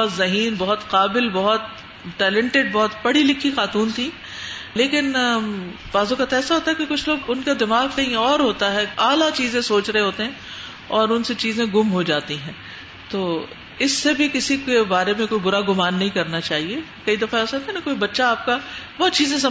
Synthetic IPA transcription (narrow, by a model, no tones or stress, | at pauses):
t̪zɐɦiːnbɔɦʊt̪qaːbɪlbɐɦʊt̪̚ | ʈɛːlɛ̃ɳʈeɖ̚bɔɦʊt̪bɐɽilɪkʰːixaːt̪uːnt̪ʰĩ | leːkɪn | baːzõkat̪ɛːsaɦoːt̪aɦɛkekʊt͡ʃʰloːɡʊnkad̪ɪmaːɣkɐɦĩɔːɾɦoːt̪aɦɛaːlat͡ʃiːzẽsoːt͡ʃɾɐẽɦoːt̪eɦɛ̃ | ɔːɾʊnset͡ʃiːzẽɡʊmɦod͡ʒaːt̪iɦɛ̃ː | t̪oː | ɪsːebʱikɪsikebaːɾemẽkoːibʊɾaɡʊmaːnːɐɦĩkɐɾnat͡ʃaːɦie | kɐid̪ɐfaoːsɐt̪enɐ̃koːibɐtːʃaaːp̚kabɔɦːt̪t͡ʃiːzẽs̬ɐ